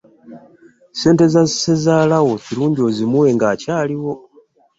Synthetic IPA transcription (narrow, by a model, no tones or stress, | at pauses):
se̞ːnte̞zazise̞zaːlawo̞ciɾuːɲɟio̞ːzimuwe̞ŋɡaːcaːliwo̞